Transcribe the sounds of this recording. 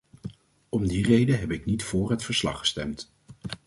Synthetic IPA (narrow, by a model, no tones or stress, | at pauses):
ɔmdirejdəɦɛpɪknitfʊːɹɦətfəɹslɑ̰χə̥stɛmt